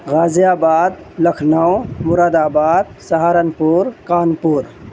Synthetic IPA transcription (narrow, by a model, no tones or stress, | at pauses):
ɣaːzijaːbaːd̪ | ləkʰnəwmʊɾaːd̪aːbaːd̪̚sɐɦaːɾənpuɾkaːnpuːɾ